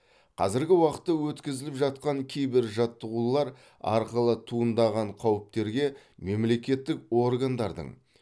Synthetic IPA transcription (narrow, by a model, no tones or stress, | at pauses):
qʰɑ̰zɪɾɡʲɪwɑqət̪ːəwɵt̪kʲɪzɪlɪpʒɑt̪̚qɑŋkʲʰejbɪɾʒɑt̪ːəʁulˠɑɾ | ɑ̰ɾqəlˠət̪ʰuənd̪ɑʁɑɴqʰɑwɪp̚t̪e̞ɾɡʲe̞me̞mle̞kʲe̞t̪ːɪko̞rɡand̪ɑɾd̪ə̰ɴ